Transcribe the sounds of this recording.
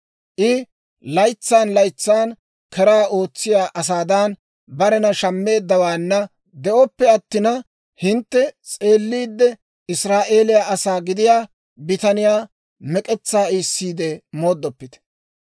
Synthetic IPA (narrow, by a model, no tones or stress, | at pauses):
ʔɪ | lɐjt͡sːaːnlɐjt͡sːaːn | kɛɾaːʔo̞ːt͡sːɪjaːʔɐs̬aːd̪an | bɐɾɛnɐʃɐmːe̞ːd̪ːɐwaːnːɐ | d̪ɛʔɔpːɛɐt̪ːɪnɐ | hɪnt̪ːɛt͡sʼe̞ːlːiːd̪ːɛ | ɪsɾaːʔe̞ːlɪjaːʔɐsaːɡɪd̪ɪjaː | bɪt̪ɐnɪjaː | mɛkʼɛt͡sːaːiːsːiːd̪ɛmo̞ːd̪ːɔpːɪt̪ɛ̥